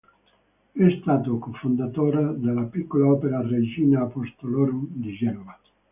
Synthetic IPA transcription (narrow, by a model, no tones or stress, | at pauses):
ɛst̪aːt̪okofond̪at̪oːɾad̪alapikːolaɔːpeɾared͡ʒiːnaːpost̪olɔɾud̪id͡ʒɛnova